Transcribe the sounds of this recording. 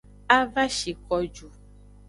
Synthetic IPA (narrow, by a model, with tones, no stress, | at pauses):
a˦va˦ʃi˨kɔ˨d͡ʒu˨